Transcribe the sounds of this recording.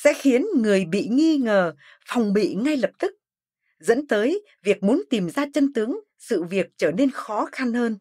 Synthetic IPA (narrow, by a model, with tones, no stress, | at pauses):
sɛ̰˧˥xi˨˦ənŋɨ˨˩əjɓḭ˧˨ŋi˧ŋəː˨˩ | fa˨˧˩wŋ͡mɓḭ˧˨ŋa˧jlə˨˩p̚t̪ɨ˦˥k̚ | zə̰˧˥nt̪əː˨˦j | vi˨˩ək̚mu˨˦ənt̪i˨˩mzaː˧t͡ɕə˧nt̪ɨ˨˦əŋ | sɨ̰˧˨vi˨˩ək̚t͡ɕəː˧˩ne˧nxɔ˨˦xa˧nhəː˧n